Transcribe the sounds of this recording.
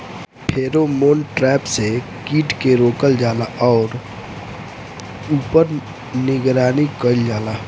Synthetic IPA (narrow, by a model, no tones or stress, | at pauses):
pʰeːɾomoːnʈɾɛːpse | kiːʈkeɾoːkəld͡ʒaːlaʔɔːɾ | uːpəɾ | nɪɡɾaːnikəld͡ʒaːlaː